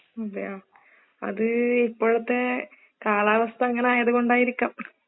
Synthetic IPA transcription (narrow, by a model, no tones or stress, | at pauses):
ɐðɐjaː | ɐ̰ðɨipːoːɭɐt̪ːe | kaːɭaːʋɐst̪ʰɐːŋːɐneaːjɐðuɣo̞ɳɖaːjiɾikʲːaːm